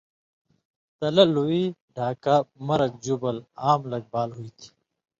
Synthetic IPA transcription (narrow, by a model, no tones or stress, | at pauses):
t̪ɐlɐluiɖʱaːkamɐɾɐk̚d͡ʑubɐlaːmlɐɡ̚baːlɦuit̪ʰi̥